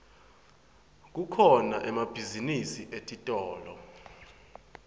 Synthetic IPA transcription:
k̬ukʰɔnaʔɛmab̥ʱizinisiʔetʼitʼɔːlɔ

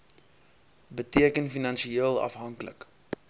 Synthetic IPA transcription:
bətiəkənfinɐnʃiiəlˠɐ̰fɦɐŋklə̰k

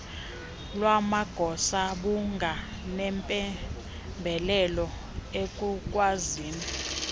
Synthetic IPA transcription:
lwamaɡ̥ʱɔsaɓuŋɡʱa | nɛmpʼɛ | mbʱɛlɛlɔ | ekʼukʼwaziːni

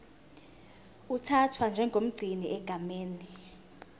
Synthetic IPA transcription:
utʰatʰwand͡ʒʱɛŋɡʱom̩ɡ͡ǀʱiniʔɛɡ̥ʱameːni

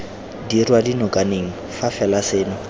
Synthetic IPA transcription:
dirwadinɔkʼaneŋ̩ | fafɛlaseːnɔ

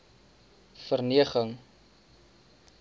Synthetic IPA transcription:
fərniəχəŋ

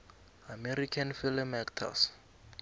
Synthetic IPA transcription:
amɛɾikʰanfilɛmɛktʰa̰s

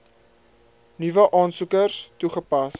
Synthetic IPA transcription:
nivəʔɑːnsukərstuχəpɐs

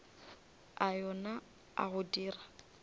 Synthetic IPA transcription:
ajɔna | a̰ɣʊdiːra

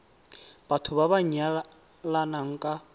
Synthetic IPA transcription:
b̥atʰʊβaβaɲa | lanaŋ̩kʼa

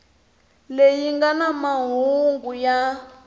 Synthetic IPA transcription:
lejiŋɡanamaɦuŋɡuja

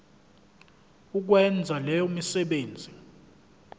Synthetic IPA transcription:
uk̬wɛnd͡zʱalɛjomisɛɓeːnd͡zʱi

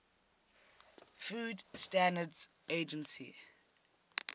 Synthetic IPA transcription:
fuːdstãndədz | eːd͡ʒə̃nsḭ

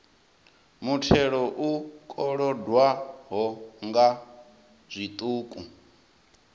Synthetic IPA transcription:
mutʰɛɺɔʔukʼɔɺɔdwaɦɔŋɡa | zʷit̪ʼuːkʼu

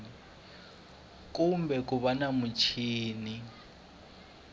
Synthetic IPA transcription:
i | k̬ʼumbɛk̬ʼuβanamut͡ʃʰiːni

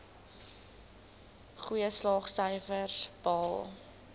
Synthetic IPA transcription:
χuəslɑːχsœjfərsb̥ɑːlˠ

